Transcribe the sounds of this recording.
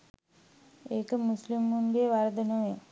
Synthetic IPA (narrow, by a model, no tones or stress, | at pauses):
ekɐmːuslimːunɡeːʋaɾd̪ɐnoe